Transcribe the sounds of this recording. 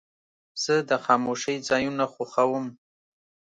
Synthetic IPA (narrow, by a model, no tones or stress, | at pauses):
z̥əd̪əxɑmoʃəjzɑjunaxoxawəm